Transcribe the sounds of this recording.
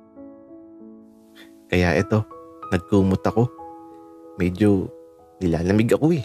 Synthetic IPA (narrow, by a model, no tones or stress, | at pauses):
kɐjaʔɛt̪o̞nɐɡ̚kuːmʊt̪ɐko̞ | mɛːd͡ʒo | nɪlaːlɐmɪɡɐkoɛ